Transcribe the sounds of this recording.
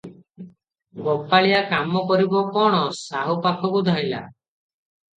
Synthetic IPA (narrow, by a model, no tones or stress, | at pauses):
ɡɔpaɭijakamɔkɔɾibɔkɔɽ̃ɔsaɦupakʰɔkud̪ʱaila̰